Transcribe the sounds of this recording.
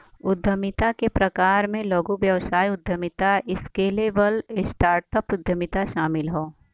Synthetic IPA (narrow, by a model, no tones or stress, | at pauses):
ʊd̪ʱːəmɪt̪akepɾɐkaːɾmẽloːɡuʋjɐʋsaːiʊd̪ʱːəmɪt̪aɪskeleːʋəlɪsʈaːɾʈəpʊd̪ʱːəmɪt̪aʃaːmɪlɦoː